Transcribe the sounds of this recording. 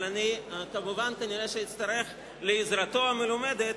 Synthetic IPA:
lanikamuvankaniɾeʃeit̪st̪ɐɾe̞χ | leːzɾat̪o̞amelumed̪et̪

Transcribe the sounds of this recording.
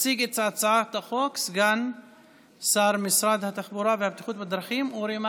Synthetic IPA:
siɡet̪t͡saʕt͡saʕat̪axoksɡan | saɾˤmɪsɾad̪hat̪aχbuɾavehab̚t̪ixuːt̪bad̪ɾˤaχimuɾima

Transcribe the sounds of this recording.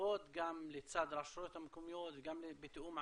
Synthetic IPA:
oːd̪ɡamlit̪saːd̪ɾˤaʃɾut̪amkumjoːd̪ɡamlibɪt̪ʔuːmʕ

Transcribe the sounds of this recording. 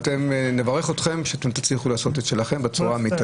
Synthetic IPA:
t̪e̞mnevaʁe̞χot̪χe̞mʃeat̪e̞mt̪at͡sliχulaːso̞t̪et̪ʃe̞laχe̞mbet͡suʁamit̪a

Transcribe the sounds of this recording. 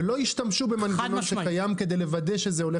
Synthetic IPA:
lo̞iʃtamʃubemanɡanonʃekajamked̪e̞jlevad̪e̞ʃe̞zeo̞le

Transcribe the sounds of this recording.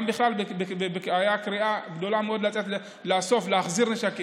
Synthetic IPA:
mbiχlalbebebekajakʁiaɡd̪o̞lameo̞d̪lat͡set̪le | leaso̞fleaχziʁleʃaki

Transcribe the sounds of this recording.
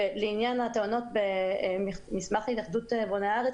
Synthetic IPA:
eleinjanhat̪eono̞t̪̚bemimismaχlitaχd̪ut̪eboneaaʁet͡s

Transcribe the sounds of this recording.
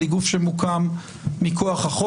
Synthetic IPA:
iɡufʃemukamː | iko̞aχhaχo

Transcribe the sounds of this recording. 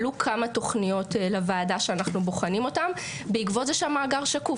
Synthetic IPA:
lukʰamato̞χnijo̞tlevaːdaʃeanaχnuboχanimo̞tam | beikvo̞tzeʃamaːɡaʁʃaku

